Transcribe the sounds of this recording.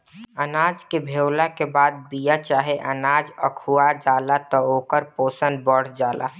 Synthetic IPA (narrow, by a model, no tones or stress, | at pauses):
ənaːd͡ʒkebʱewlakebaːd̪̚bijat͡ʃaːɦeʔənaːd͡ʒəkʰuad͡ʒaːlat̪ɔoːkəɾpoːsən̚bəɽ̤d͡ʒaːlʔa̰